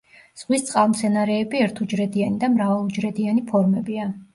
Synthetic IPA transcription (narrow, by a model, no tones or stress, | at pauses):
z̥ʁwist̪sʼqʼalˠmt̪sʰɛnaɾɛːbiɛɾt̪ʰud͡ʒɾɛd̪ianid̪amɾavalˠud͡ʒɾɛd̪ianipʰɔɾmɛbia